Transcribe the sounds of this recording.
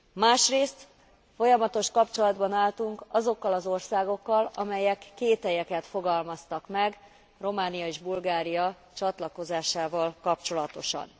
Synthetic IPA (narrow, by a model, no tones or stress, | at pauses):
maːʃreːst̪ | fo̞jɒmɒt̪o̞ʃkɒpt͡ʃo̞lɒd̪bɒnaːlt̪uŋkɒzo̞kːɒlɒzo̞rsaːɡo̞kːɒlɒmɛjɛkːeːt̪hɛjɛkɛt̪fo̞ɡɒlmɒst̪ɒkmɛɡ | ro̞maːnijɒeːʒbulɡaːɾijɒ | t͡ʃɒt̪lɒko̞zaːʃaːvɒlkɒpt͡ʃo̞lɒt̪o̞ʃɒ̰n